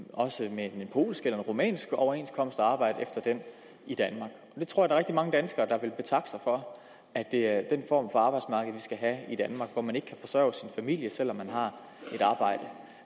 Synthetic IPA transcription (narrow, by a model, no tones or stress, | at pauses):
ɒ̽səmeenpʰo̝̰ːlsɡ̥elɐe̝nʁomɛ̰ːnsɡ̥ɒʊɐe̝nskʰɒ̽m̰əsd̥əɑ̈ːb̥ɑ̈ɪ̰d̥əefd̥ɐd̥en | id̥ænmɑ̈ːɡ̥ɒ̽d̥e̝t͡sʰoɐ̰jdɑ̈ʁeɡ̥̚d̥imɑ̈ŋəd̥ænsɡ̥ɐːd̥ɑ̈ʋe̝lb̥e̝t͡sʰɑ̈ɡ̥sɑ̈ɪfɒ̽ | æd̥e̝æɐd̥enfɒ̰ːmfɒ̽ɑ̈ːb̥ɑ̈ɪd̥smɑ̈ːɡ̥əð̩ˠʋisɡ̥æɦæid̥ænmɑ̈ːɡ̥ʋɒmæne̝ɡ̥ə̥kʰæfɒ̽sɶɐ̰ʊsinfæmil̰jəsel̰ɒ̽mːænɦɑ̈ | e̝ɾ̥ɑ̈ːb̥ɑ̈ɪ̰d̥ə